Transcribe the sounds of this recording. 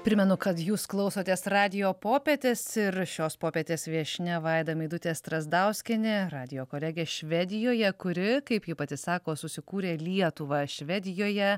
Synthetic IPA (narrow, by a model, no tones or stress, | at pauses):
pʲɾʲɪmʲɛnʊkɐt̪juːsklˠɒʊsoːt̪ʲeːsrɑːd̪ʲɪjoːpoːpʲeːt̪ʲesɪɾʃʲoːspoːpʲeɛt̪ʲeːsʋʲiɛʃʲnʲɛʋɛɪd̪ɐmʲiɪd̪ʊt̪ʲeːst̪ɾɐzd̪ɐʊsʲkʲɪnʲɪɾɑːd̪ʲɪjoːkoːlʲɛɡʲeːʃʲʋʲɛd̪ʲɪjoːjɛkʊɾʲɪkɐɪpjɪpɐt̪ʲɪsɑːkoːsʊsʲɪkuːɾʲeːlʲiɛt̪ʊʋɑʃʲʋʲɛd̪ʲɪjoːjɛ